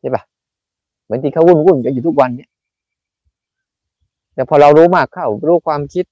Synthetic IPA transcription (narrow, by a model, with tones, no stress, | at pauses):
t͡ɕʰi˧˥˩ba˧˩ | mɯ˨˦nt̪iː˧kʰa˧˩whu˧˩˨nku˧˩nka˧njuː˨t̪ʰu˦˥k̚wa˧nːi˦˥˨ | t̪ɛː˧˩pʰɔː˧ɾa˧wɾuː˦˥maː˧˩kʰːa˧˩wɾuː˧˦˩kʰwaː˧mkʰi˦˥t̪̚